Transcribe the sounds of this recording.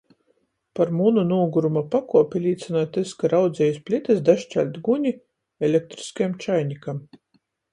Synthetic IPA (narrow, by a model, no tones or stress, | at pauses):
paɾmununuːɡuɾumapakuɔpʲilʲiːt̪sinɔt̪eskaɾawd̪zʲɛjuspʲlʲit̪ɛsd̪aʃt͡ʃʲæ̰lʲt̪ɡuɲʲi | ɛlʲek̚t̪ɾi̥skajamt͡ʃajnʲikam